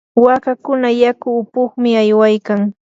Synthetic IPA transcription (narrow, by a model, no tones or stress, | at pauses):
wakakʊnajakʊːpʊχmɪajwajkaŋ